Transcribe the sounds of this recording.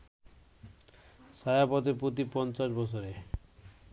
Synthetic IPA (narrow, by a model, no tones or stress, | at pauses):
sajapɔt̪̬epɾot̪̬ipɔnt͡ɕaʃbɔt͡ɕʰoɾe